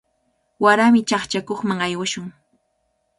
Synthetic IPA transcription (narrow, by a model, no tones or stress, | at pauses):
waɾamɪt͡ʃɑχt͡ʃakoχmaŋajwaʃʊŋ